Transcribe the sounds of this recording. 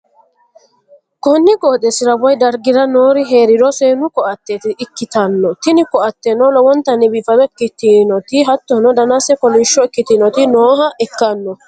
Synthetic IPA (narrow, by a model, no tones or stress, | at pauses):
kɔnːɪɡoːt̪ɛsɪɾɐbɔjd̪ɐɾɡɪɾɐnoːɾɪɦe̞ːɾɪdɔseːnʊkɔʔɐt̪ːeːt̪ɪʔɪkːɪt̪ɐnːɔt̪ɪnɪkɔʔɐt̪ːɛnɔlɔwɔnt̪ːɐnːɪbiːfɐbɛkːɪt̪ːɪnɔt̪ɪɦɐt̪ːɔnɔd̪ɐnasɛkɔlɪʃːɔɪkːɪt̪ɪnɔt̪ɪnoːɦɐʔɪkːɐnːɔ